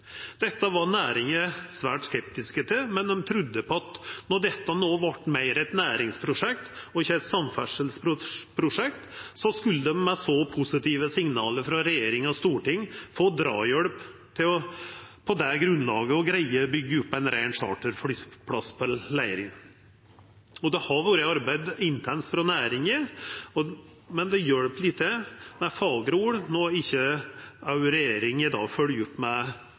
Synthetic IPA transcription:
d̪̥ɛt̪ːəʋɑɾnæːɾɪŋəsʋæːʈskɛp̚t̪ɪskət̪ʰəmɛnd̪ɔmt̪ʰɾʉd̪ːəpʰɔɑt̪nɔɖɛt̪ːənoːʋɑʈːmæɪɾɛɪt̪næːɾɪŋspʰɾʊʂɛk̚t̪ɔɪçːəæɛt̪sɑmfæʂəlspʊpʰɾʊʂɛkt̪sɔskʉlːəd̪ɛmːɛsɔpʰʊsɪt̪ʰiːʋəsɪŋnɑːləɾfɾɑɾɛjeːɾɪŋɔst̪uːʈɪŋːfoːd̪ɾɑ̰ːjœɽp | t̪ʰɪlɔ | pʰɔd̪ɛɡɾʉnlɑːɡəɔɡɾæɪəbʏɡːəʉpːæɪnɾæɪnʂɑ̰ːʈəɾfɽʏpʰɽɑspʰɔlæɪɾɪn | ɔd̪ɛhɑɾʋoːɾəɑɾbæɪd̪ɪnt̪ʰɛnsfɾɑnæːɾɪŋəɔ | mɛnd̪ɛjœɽpliːt̪ʰəmɛfɑːɡɾuːɽnoɪçːəɑʉɾɛjeːɾɪŋɪd̪ɑ̰ːɡfølʉpːmɛ

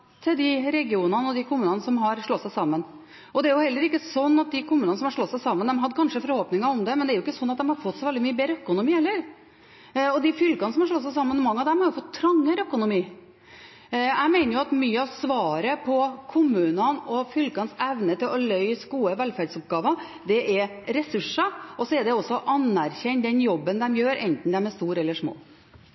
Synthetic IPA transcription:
t̪ʰɪld̪ɪɾɛɡɪuːnənəɔd̪ɪkʰʊmʉːnɑnəsɔmɦɑɾʂɭɔt̪sæɪsɑmːən | ɔd̪ɛæɾjʊhɛlːəɾɪkːəsɔnːɑt̪̚d̪ɪkʊmʉːnɑnəsɔmhɑʂɭɔt̪ːsæɪsɑmːənd̪ɛmɦɑd̪ːəkʰɑnʂəfɔɾhoːpnɪŋɑɾɔmd̪ɛmɛnd̪ɛæɾʊɪkːəsɔnːɑt̪̚d̪ɛmhɑɾfɔt̪ːsɔɪʋɛld̪ɪmyːəbeːɾəœkʊnʊmiːɛlːəɾ | ɔd̪ɪfʏlkɑnəsɔmhɑʂɭɔt̪sæɪsɑmːənɔmɑŋːɑʋd̪ɛmɔjʊfɔt̪ʰːɾɑŋːəɾœkʊnʊmiː | æɪmeɪnəɾjʊɑt̪myːəɑʋsʋɑːɾəpʰɔkʰʊmʉːnənɔfʏlkɑnsɛʋnət̪ɪlɔlœʏsɡuːəʋɛlfæɾɖsʊp̚ɡɑːʋɑ | d̪ɛʔɛɾɾɛsʉʂɑɔsɔɛɾɖ̪ɛɔsːɔʔɑnæɾçɛnːd̪ɛnjɔbːənd̪ɛmjøːɾʔɛnt̪n̩d̪ɛmæst̪uːɾɛlːəʂmo̰ː

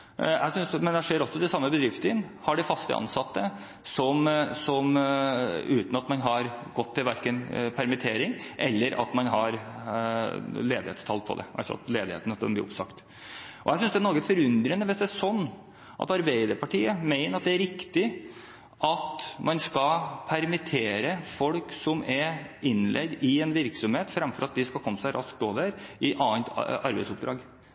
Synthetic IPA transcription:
jæ̰ɪsʏnsmɛnd̪æʂeːɾɔsːɔd̪ɛsɑmːəbəd̪ɾɪft̪əɪnhɑɖɪfɑst̪ə̰ʔɑ̰nsɑt̪ːə | sɔmsɔm | ʉːt̪nɑt̪mɑnɦɑɾɡɔt̪ʰːɪlʋæɾkənpʰæɾmɪt̪ʰeːɾɪŋʔɛlːəɾʔɑ̰t̪mɑnɦɑɾ | leːd̪ɪheːt̪st̪ʰɑlpʰɔ̰d̪ɛ̰ʔæ̰lsɑ̰nt̪leːd̪ɪhḛːt̪ənəsd̪ɛnblḭːʊ̰psɑkt̪ | ʔɔ̰jæɪsʏnsd̪ɛnɔɾɡəfɔɾʉnd̪ɾənːəʋɪsd̪ɛʂsɔnː | ʔɑ̰t̪ɑɾbæɪd̪əɾpʰɑʈʰiːəmæɪnəɾɑt̪̚d̪ɛæɾɪkt̪ɪ | ʔɑt̪mʔɑnskɑpʰæɾmɪt̪ʰeːɾəfɔlksɔmɛɾɪnlʔɛ̰ɡd̪ɪɛnʋɪɾksɔmheːt̪fɾɑmfɔɾɑt̪̚d̪ɪskɑlkɔmːəsæɪɾʔɑsk̚t̪oːʋəɾʔɪʔɑːənt̪ɑɾbæɪsʊpd̪ɾɑːɡ

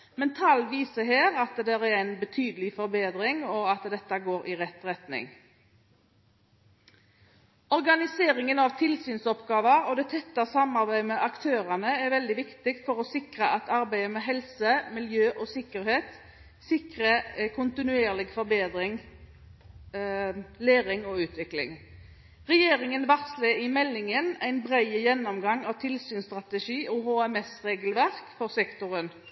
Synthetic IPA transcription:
mɛnt̪ʰɑlʋiːsəɦeːʁɑt̪d̪ɛɾæɾæɪnbət̪ʰyːd̪əlɪfɔɾbeːd̪ɾɪŋɔɑt̪d̪ɛt̪ːəɡoːɾɪʁɛt̪ʁɛt̪nɪ̰ŋ | ɔɾɡɑnɪseːɾɪŋənɑʋt̪ʰɪlsyːnsɔpɡɑːʋəɾɔd̪ɛt̪ʰɛt̪ːɑsɑmɑʁbæɪmɛʔɑkt̪ʰøːʁɑnəɛɾʋɛld̪ɪʋɪkt̪ɪkt̪fɔɾɔsɪkʁəʔɑt̪ɑɾbæɪəmɛːɦɛlsəmɪljøːʔɔsɪkːəɾheːt̪ | sɪkʁəɛkʰʊnt̪ɪnʉeːʁlɪɡfɔɾbeːd̪ɾɪŋ | leːɾɪŋɔʉːt̪ʋɪklɪ̰ŋ | ʁɛjeːɾɪŋənʋɑʁt̪slɛɪmɛlːɪŋənæɪnbʁæɪəjɛnːɔmɡɑŋɑʋt̪ʰɪlsyːnst̪ʁɑt̪əʃiːʔɔɦoːɛmɛsʁeːɡəlʋæʁkfɔʁsɛkt̪ɔʁən

